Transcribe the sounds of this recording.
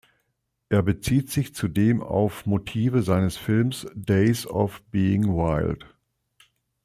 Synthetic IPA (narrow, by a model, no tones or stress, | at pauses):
ʔeːɐbət͡siːtz̥ɪçt͡sudeːma̰ʊfmotʰiːvəzaɪnəsfɪlmsd̥eɪsɔ̰fb̥iːɪŋwaɪlt